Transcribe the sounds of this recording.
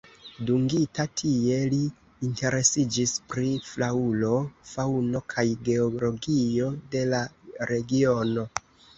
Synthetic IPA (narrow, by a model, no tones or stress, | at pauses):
duŋɡitatʰie̞liː | nte̞ɾe̞sid͡ʒispɾiflaulo̞fawno̞kʰajɡe̞olo̞ɡio̞de̞laɾe̞ɡio̞no̞